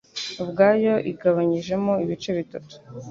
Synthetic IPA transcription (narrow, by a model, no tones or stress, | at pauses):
βɡaːjo̞ʔiɡaβaɲiʒe̞moiβit͡ʃe̞βitatu̥